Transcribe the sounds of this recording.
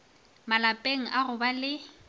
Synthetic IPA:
malapʼeŋ̩ʔaɣʊbalɪ

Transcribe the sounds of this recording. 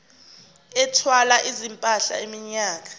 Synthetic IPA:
ɛtʰwalaʔizimpʼaɬa̰emiɲaːk̬ḁ

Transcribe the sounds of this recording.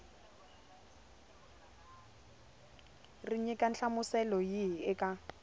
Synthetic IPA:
rɪɲɛkʼan̩ɬamʊsɛlɔjiɪkʼa

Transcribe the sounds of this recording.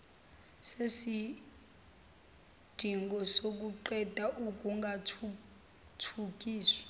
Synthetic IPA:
sesi | d̥ʱiŋɡʱɔsok̬ʼuǃɛd̥ʱaʔuk̬ʼuŋɡʱatʰu | tʰuk̬ʼiːswi̥

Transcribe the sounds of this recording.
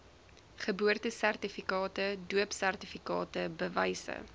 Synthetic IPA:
χəbuərtəsærtifikɑːtəduəpsærtifikɑ̰ːtəbəvɛjsə̰

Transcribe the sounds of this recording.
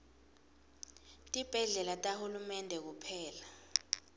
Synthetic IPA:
tʼib̥ʱɛɮɛlatʼahulumɛndʱɛk̬upʰɛːla

